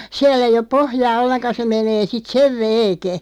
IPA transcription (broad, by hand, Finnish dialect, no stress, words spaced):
siæl ei op pohjɑː olːenkɑ se meneː sit seʋ ʋeːke